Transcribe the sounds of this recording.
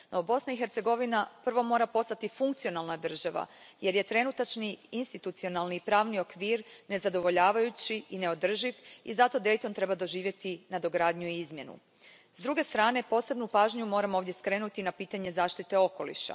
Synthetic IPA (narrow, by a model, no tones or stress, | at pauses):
nʔo̞bo̞snaixe̞ɾt̪se̞ɡo̞ʋinapr̩ʋo̞mo̞ːɾapo̞st̪at̪ifuŋkt̪sio̞nalˠnad̪r̩ʒaʋa̰je̞ɾjet̪ɾe̞nut̪at͡ʃniinst̪it̪ut̪sio̞nalnipɾaːʋnio̞kʋiːɾne̞zad̪o̞ʋo̞ʎaːʋajut͡ɕiine̞o̞d̪r̩ʒiʋizat̪o̞d̪e̞jt̪o̞nt̪ɾe̞bad̪o̞ʒiːʋje̞t̪inad̪o̞ɡɾaːd̪ɲuiizmje̞nṵ | zd̪ɾuɡe̞st̪ɾaːne̞po̞ːse̞bnupaːʒɲumo̞ːɾamooːʋd̪je̞skɾe̞nut̪inapiːt̪aɲe̞zaːʃt̪it̪e̞o̞ko̞lḭʃa̰